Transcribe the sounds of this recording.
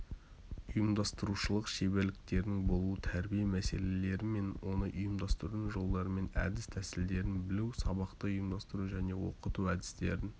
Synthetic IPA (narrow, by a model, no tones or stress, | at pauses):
ʊjəmd̪ɑst̪əɾuʃəlˠəqʃeβelɪk̚t̪e̞ɾd̪ɪŋbo̞lˠuət̪ʰæɾbijemæse̞le̞le̞ɾɪme̞nwo̞nəʔʊjəmd̪ɑst̪əɾənʒo̞lˠd̪ɑɾəme̞næ̰d̪ɪst̪ʰæsɪld̪e̞ɾɪnbɪlewsɑbɑqt̪əʊjəmd̪ɑst̪əɾuʒæne̞wo̞̰qət̪uæd̪ɪ̥st̪e̞̰ɾɪn